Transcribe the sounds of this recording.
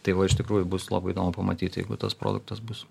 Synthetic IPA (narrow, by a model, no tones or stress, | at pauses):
t̪ɐɪʋɐɪʃt̪ʲɪkɾuːjʊbʊslˠɑ̰ːbɐɪd̪oːmʊpɐmɐt̪ʲiːt̪jɛɪɡʊt̪ɐspɾo̰ːd̪ʊ̰k̚t̪ɐsbʊs